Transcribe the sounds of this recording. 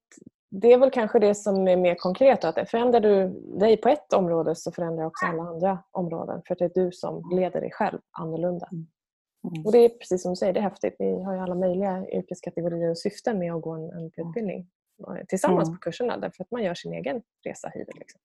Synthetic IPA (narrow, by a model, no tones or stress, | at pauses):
d̪ɛːɾvɛlkʰanɧəd̪ɛsɔmæɾmeːɾkʰɔŋkʰɾeːt̪ɔat̪̚ɛfœɾɛnd̪ɾaɖɵd̪ɛjpʰɔɛt̪ɔmɾoːd̪əsɔfœɾɛnd̪ɾajɪɔksɔalːaand̪ɾaʔɔmɾo̰ːd̪ə̰nfœɾat̪̚d̪ɛːɖɵsɔ̰mleːd̪ə̰ɖɛ̰jɧɛ̰lvʔa̰nːɔɭɵnd̪a | ɔd̪ɛːpʰɾɛsiːsːɔmd̪ɵsɛjːəɖɛɦɛft̪ɪ̰t̪vɪɦaɾjɵalːamœjlɪɡaʏ̰ɾkɛskʰat̪ɛɡʊɾiːəɾɔsʏft̪əmɛɔɡoːɛnɛnːt̪ʰʉ̟ːt̪̚bɪld̪nɪ̰ŋ | t̪ʰɪlsamːanspʰɔ̥kʰɵʂːəɳa̰d̪æ̰ɾfœɾat̪manjœːʂɪnḛːɡən | ɾḛːsa̰hy̰ːd̪ə̰lɪ̰ksɔm